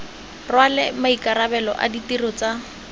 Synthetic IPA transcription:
rwalɪmaikaɾabɛlɔ̰ʔa̰ditirɔt͡sa

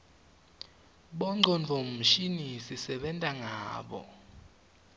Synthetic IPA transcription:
ɓɔŋ͡ǀʱɔnd͡ɮʱɔʃinisisɛɓɛntʼaŋaːɓɔ̰

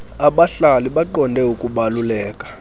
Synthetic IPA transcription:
aɓaɬaliɓaǃɔndʱɛukʼuɓalulɛːkʼḁ

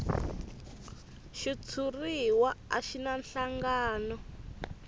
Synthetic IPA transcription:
ʃit͡sʰuriwaaʃinanɬaŋɡaːnɔ

